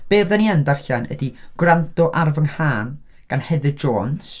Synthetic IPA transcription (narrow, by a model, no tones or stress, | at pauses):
b̥eːvðaniandarɬanə̰diɡ̥wrantɔʔarvəŋhaːn | ɡ̥anhɛðɨd͡ʒoːns